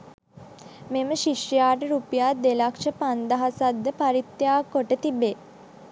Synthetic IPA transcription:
meməʃiʂəjaːʈəɾupijaːd̪elakʂəpand̪aɦasad̪ːəpaɾit̪ːjaːkːoʈət̪ibe

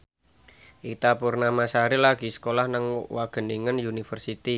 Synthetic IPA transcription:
ʔit̪apurnamasaɾilaɡ̥i̤sə̥kolahnəŋwaɡ̥ə̤niŋənjunifərsit̪i

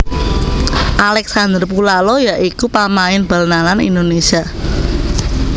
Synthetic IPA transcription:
ʔalɛksand̪ərpulalojaʔikupamaɪnb̥a̤lnalanḭnd̪onesia

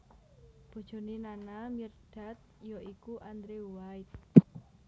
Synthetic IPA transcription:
b̥o̤d̥d͡ʒ̥o̤ninanamird̥a̤t̪̚jɔʔikuʔand̪ɾewajt̪̚

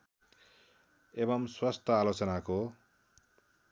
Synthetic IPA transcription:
ebʌmswʌst̪ʰʌalot͡sʌnako

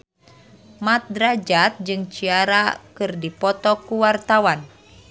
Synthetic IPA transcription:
mat̪̚dɾad͡ʒat̪̚d͡ʒɨŋt͡ʃiaɾakɨrdipɔt̪ɔkuwart̪awan

